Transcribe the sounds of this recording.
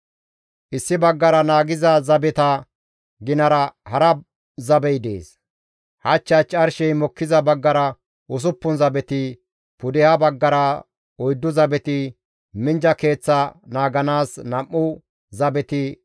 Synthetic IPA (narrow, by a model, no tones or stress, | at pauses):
ʔɪsːɪbɐɡːɐɾɐnaːɡɪzɐzɐbɛt̪ɐ | ɡɪnɐɾɐhɐɾɐ | zɐbɛjd̪ḛːs | hɐt͡ʃːɐt͡ʃʼːɐɾʃɛjmɔkːɪzɐbɐɡːɐɾɐ | ʔʊs̬ʊpːʊnzɐbɛt̪ɪ | pʊd̪ɛhɐbɐɡːɐɾɐ | ɔjd̪ːʊzɐbɛt̪ɪ | mɪnd͡ʒɐke̞ːt͡sːɐnaːɡɐnaːsnɐmːʊ | zɐbɛt̪ɪ